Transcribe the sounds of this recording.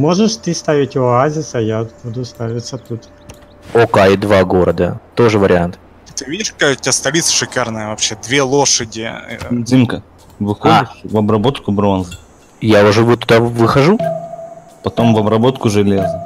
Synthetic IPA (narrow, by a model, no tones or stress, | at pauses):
moʐɨʂt̪ɨst̪aʋʲɪtʲoazʲɪsɐjabud̪ʊst̪avʲɪt̪sət̪ut̪ | okaɪd̪vaɡo̞ɾəd̪ə̰t̪o̞ʐɨvəɾʲɪant̪ | t̪ɨvʲidʲɪʂkɐkajtʲast̪ɐlʲit̪sə̥ʂɨkarnəjəvɐpɕːed̪vʲelˠoʂədʲɪ̰zʲimkə | vɨxodɪʂvɐbɾɐbo̞t̪kʊbɾo̞nzɨ | jaʊʐɛvt̪ːʊd̪avɨxɐʐu | pɐt̪o̞mvɐbɾɐbo̞t̪kʊʐɨlʲezɨ